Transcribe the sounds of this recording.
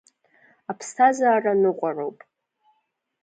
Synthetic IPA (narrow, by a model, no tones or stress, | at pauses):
apʰstʰazaːranɨqʷʼarowpʼ